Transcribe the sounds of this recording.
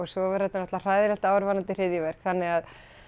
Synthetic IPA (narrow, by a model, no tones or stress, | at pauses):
ɔɣsvɔvaɾhɛt̪anɔht̪ar̥aːjðɪɾɛl̥t̪aːwɾvanant̪ɪr̥ɪðjʏvɛr̥kθanːɪɣað